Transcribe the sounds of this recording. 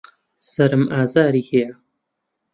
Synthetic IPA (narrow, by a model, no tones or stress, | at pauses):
sɐɾɨmʔaːzaːɾiːhejɐ